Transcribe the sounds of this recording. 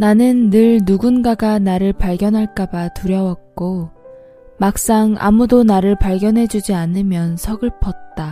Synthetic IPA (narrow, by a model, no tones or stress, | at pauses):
nanɯnːɯɭːuɡunɡaɡanaɾɯɭpaɭɡjʌnɦaɭk͈abatuɾjʌwʌk̚k͈o | mak̚s͈aŋa̰mudonaɾɯɭpaɭɡjʌnɦe̞d͡ʑud͡ʑianɯmjʌnsʰʌɡɯɭpʰʌt̚t͈a